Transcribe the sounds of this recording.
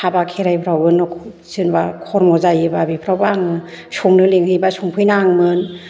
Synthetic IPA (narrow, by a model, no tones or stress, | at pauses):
abakʰeɾajpʰɾawbɯnɔkʰ | sɯnbakʰɔɾmɔzajɯbabipʰɾawbaŋɯ | sʰuŋnɯleŋɯjbasuŋpʰɯjnaŋmɯn